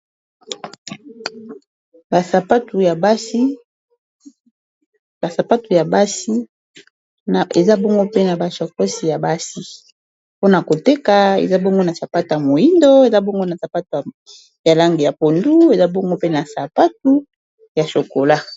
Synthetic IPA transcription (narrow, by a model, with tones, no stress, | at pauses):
ba˨sa˨pa˦tu˨ja˨ba˦si˦ | ba˨sa˨pa˦tu˨ja˨ba˦si˦ | n˨ḛ˨za˦bɔ˦ŋɡo˦pe˦na˨ba˨sa˨ko˦si˨ja˨ba˦si˦ | po˦na˨ko˨te˦ka˨ḛ˨za˦bɔ˦ŋɡo˦na˨sa˨pa˦tu˨ja˨mo˨ji˦ndo˦e˨za˦bɔ˦ŋɡo˦na˨sa˨pa˦tu˨ | ja˨la˦ŋɡe˨ja˨po˨ndu˦e˨za˦bɔ˦ŋɡo˦pe˦na˨sa˨pa˦t̚u˦ | ja˨so˨ko˨la˦